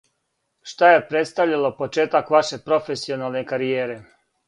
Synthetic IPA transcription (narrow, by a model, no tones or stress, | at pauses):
ʃt̪aje̞pɾet̪st̪aʋʎalopo̞t͡ʃeːt̪akʋaʃe̞pɾo̞fesio̞naːlˠne̞kaɾijeːɾe̞